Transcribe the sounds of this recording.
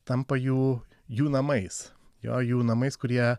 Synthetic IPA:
t̪ɐmpɐjuː | juːnɐmɐɪsjo̰ːjuːnɐmɐɪskʊɾʲiɛ

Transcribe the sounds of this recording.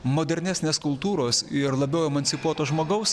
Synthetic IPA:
moːd̪ʲɛɾʲnʲæːsʲnʲeːskʊlˠt̪uːɾoːsɪɾlˠɐbʲɛʊɛːmɐnʲsʲɪpuɔt̪oːʒmoːɡɐʊs

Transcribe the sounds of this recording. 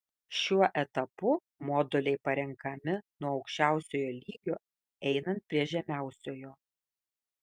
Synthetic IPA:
ʃʲuɔʔɛt̪ɐpʊ | mɔːd̪olʲɛɪpɐɾʲɛŋkɐmʲɪnuɔɐʊkʃʲt͡ʃʲæˑʊsʲoːjoːlʲiːɡʲoː | ɛɪnɐnt̪̚pʲɾʲiɛʒʲɛmʲæˑʊsʲoːjoː

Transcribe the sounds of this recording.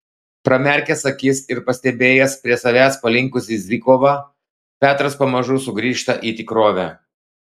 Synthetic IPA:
pɾɐmʲɛɾʲkʲɛsɐkʲisɪɾpɐsʲt̪ʲɛbʲeːjɛspʲɾʲiɛsɐʋʲæːspɐlʲɪŋkʊsʲɪzʲɪkoːʋɑ | pʲæːt̪ɾɐspɐmɐʒʊːsʊɡɾʲiːʃt̪ɐʔiːt̪ʲɪkɾoːʋʲæ

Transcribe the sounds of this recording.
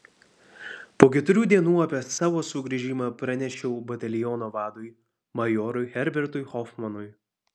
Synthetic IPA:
poːkʲɛt̪ʊɾʲuːd̪ʲiɛnuːɐpʲɛsɑːʋoːsʊɡɾʲiʒʲiːmɑpɾɐnʲɛʃʲɛʊbɐt̪ʲɐlʲɪjɔːnoːʋɑːd̪ʊɪ | mɐjɔːɾʊɪxʲɛɾʲbʲɛɾt̪ʊɪxɔfmɐnʊj

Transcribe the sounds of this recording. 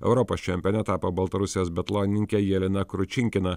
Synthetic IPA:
ɛ̰ʊɾɔpoːst͡ʃʲɛmʲpʲɛːnʲɛt̪ɑːpoːbɐlˠt̪ɐɾʊsʲɪjoːsbʲɛt̪lˠoːnʲɪnʲɪŋʲkʲɛjɛlʲɪnɐkɾʊt͡ʃʲɪŋʲkʲɪnɐ

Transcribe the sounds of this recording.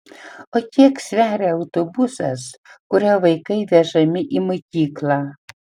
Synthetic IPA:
ot̪ʲiɛksʲʋʲæːɾʲeɐʊt̪obusɐ̰skʊɾʲæʋɐɪkɐɪʋʲɛʒɐmʲɪʔimokʲiːklˠɑː

